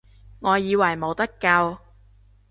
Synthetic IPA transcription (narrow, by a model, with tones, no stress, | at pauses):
ŋɔː˨˧jiː˨˧wɐ˨˩jmo˨˧wt̪ɐ˥kːɐ˧w